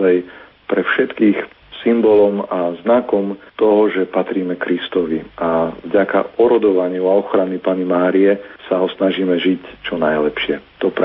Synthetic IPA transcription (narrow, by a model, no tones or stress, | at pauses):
aj | pɾɛfʃɛt̪kiːx | simbɔlɔmaznakɔmt̪ɔɦɔʒɛpat̪ɾiːmɛkɾist̪ɔʋiʔavɟaka̰ɔɾɔd̪ɔʋaɲɪuaɔxɾanipanimaːɾiɛsaɦɔsnaʒiːmɛʒict͡ʃɔnajlɛpʃɪɛt̪ɔp